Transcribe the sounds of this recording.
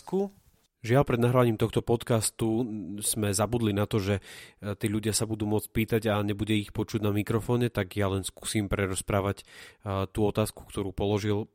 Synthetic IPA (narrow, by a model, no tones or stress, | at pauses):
ku | ʒɪalpɾɛd̪naɦɾaʋaɲiːmt̪ɔxt̪ɔpɔt̪kast̪uz̥mɛzabud̪linat̪ɔʒɛt̪iːʎuɟɪasabud̪uːmʊɔt͡sʲpiːt̪aɟaɲɛbuɟɛixpɔt͡ʃuɟnamikɾɔfɔːɲɛt̪aɡjalɛnsku̥ːsiːmpɾɛɾɔspɾaːʋact̪uɔt̪aːsku̥kt̪ɔɾuːpɔlɔʒil